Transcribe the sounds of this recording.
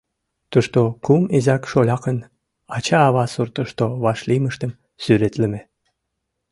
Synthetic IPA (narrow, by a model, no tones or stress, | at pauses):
t̪uʃt̪okumezækʃolʲɑkən | ɑt͡ɕɑːβɑsurt̪ə̆ʃt̪oβɑʃliməʃt̪ə̆m | syɾet̪lə̆me